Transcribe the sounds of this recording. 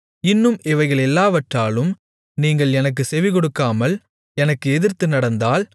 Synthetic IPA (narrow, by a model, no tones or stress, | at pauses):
ɪnːɯmɪʋɐɪɣɐɭɛlːaːʋɐʈraːlɯm | niːŋɡɐɭɛnɐk̬ːɯsɛʋɪkɔɽɯkːaːmɐl | ɛnɐkːɯɛðɪɾt̪ɯnɐɽɐnd̪aːl